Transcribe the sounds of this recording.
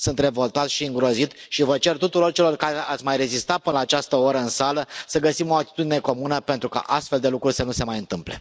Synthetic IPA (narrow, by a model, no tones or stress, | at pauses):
sunt̪re̞vo̞lt̪at̪sʃiɨŋɡɾo̞zit̪ʃivət͡ʃe̞rt̪ut̪uɾo̞rt͡ʃe̞lo̞rkaɾeat̪sʲmajre̞zist̪at̪̚pɨnəlaːt͡ʃast̪əoɾəɨnsaləsəɡəsimo̞at̪i̥t̪ud̪ine̞ko̞munəpent̪ɾuka̰ʔast̪fe̞ld̪e̞lukɾurʲsənuse̞majɨnt̪ɨmple̞̰